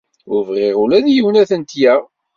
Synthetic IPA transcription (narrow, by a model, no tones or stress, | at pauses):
ʊɾvʁɪʁʊlæðjəwnæθənt̪jæ